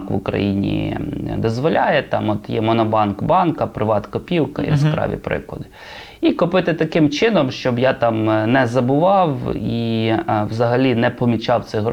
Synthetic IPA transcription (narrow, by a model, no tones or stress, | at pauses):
kʋʊkɾɐ̰jinʲḭd̪ɔzʋɔlʲajɛt̪ɑ̰mɔt̪jɛ̰mɔnɔbɑnkbɑnkɐpɾɪʋɑt̪kɔpʲiwkɐjḭskɾɑ̰ʋʲḭpɾɪ̰klˠɔ̰d̪ɪ | ikʊpɪt̪ɪt̪ɐkɪmt͡ʃɪnɔmʃt͡ʃɔbjat̪ɑmnɛzɐbʊʋɑwiwzɐɦɐlʲinɛpɔmʲit͡ʃɑwt̪sɛɦɾ